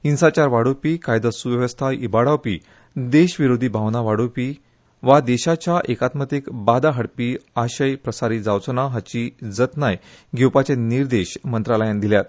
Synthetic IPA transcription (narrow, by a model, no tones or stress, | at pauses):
insat͡ɕaɾʋaɽopikajd̪əsuʋjəʋəst̪ʰaibaɽawpḭː | d̪eɕʋiɾod̪ʱiːbʱaʋnaʋaɽopiː | ʋad̪eɕat͡ɕjaʔekat̪mət̪ikbad̪aɦəɽpiaɕəjpɾəsaɾiːd͡zawt͡sənaɦat͡ɕid͡zət̪najɡʱewpat͡ɕẽniɾd̪eɕmənt̪ɾaləjãnd̪iljat̪